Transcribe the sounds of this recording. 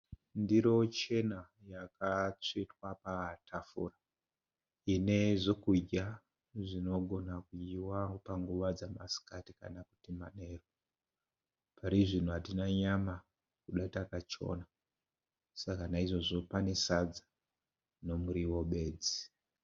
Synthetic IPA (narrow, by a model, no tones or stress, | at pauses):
ndiɾo̞t͡ʃe̞na | jakat͡sitwapatʰafṵra | ine̞ʐokuɟa | ʐino̞ɡʱo̞nakuiwapaŋɡuʋad͡zamasi̥katika̰naku̥tima̰ne̞ːro | paɾiʐin̤uɦatinaɲama | kuɗatakat͡ʃo̞̰na | sakanaiʐo̞ʐo̞pane̞sad͡zḁ | no̞muɾiwo̞ɓe̞ːd͡zi